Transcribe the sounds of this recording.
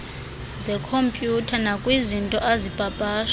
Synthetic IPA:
zɛkʰompʼjutʰanakʼwizintʼɔʔazipʼapʼaːʃ

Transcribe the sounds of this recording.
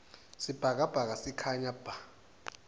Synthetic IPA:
sib̥ʱak̬ab̥ʱak̬asikʰaɲab̥ʱa

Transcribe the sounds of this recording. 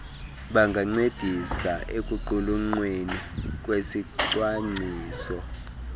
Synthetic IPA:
ɓaŋɡʱaŋ͡ǀed̥ʱisaʔekʼuǃuluŋ͡ǀwenik̬ʼwesiǀwaŋ͡ǀiːsɔ

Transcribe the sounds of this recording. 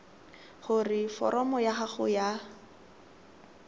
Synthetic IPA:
χʊrɪfɔ̰ɾɔmɔjaχaχʊja

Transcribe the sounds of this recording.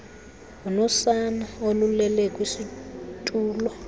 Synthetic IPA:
unɔsanaolulɛlɛkʼwisitʼuːlɔ

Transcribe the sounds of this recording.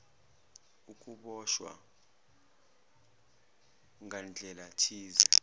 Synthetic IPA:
ukʼuɓɔʃwa̰ | ŋʱand͡ɮʱɛlatʰiːzɛ

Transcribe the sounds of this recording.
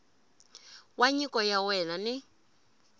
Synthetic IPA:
waɲikɔjawɛnanɪ

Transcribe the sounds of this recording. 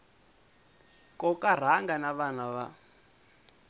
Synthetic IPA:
kɔkaɾ̤aŋɡanaβanaβa

